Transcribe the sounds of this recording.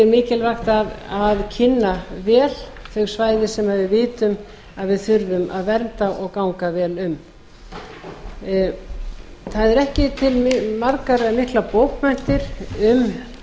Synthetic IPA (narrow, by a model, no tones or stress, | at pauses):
ɛɾmɪːcɪlvaxt̪aðaðcʰɪnːavɛːlθœɣ̥svaːjðɪ̥sɛmaðvɪðvɪːt̪ʏm | aðvɪðθʏɾðʏmʔa̰ðvɛɾt̪aʔɔɣkawŋkavɛːlʏm | θaðɛɾɛhcɪt̪ʰɪlmaɾkaɾamɪhklapoːwkmɛn̥t̪ɪɾ̥ʏm